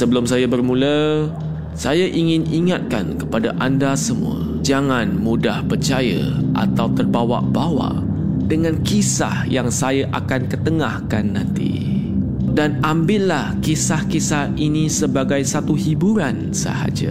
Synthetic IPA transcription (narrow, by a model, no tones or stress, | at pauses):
səbəlʊmsajabərmũlə | sajaʔiŋɪniŋat̪̚ka̰nkə̥padaʔandasəmṵ̃ə̰ | d͡ʒaŋanmudahpərt͡ʃajə̰ʔa̰t̪awt̪ərbawa̰ʔbawa̰ʔ | dəŋãnkisa̰hjaŋsajaʔakankət̪əŋahkanːãnt̪ḭ | danambɪʔlahkisahkisahinisəbaɡajsat̪uhibuɾan | sə̰ha̰d͡ʒə̰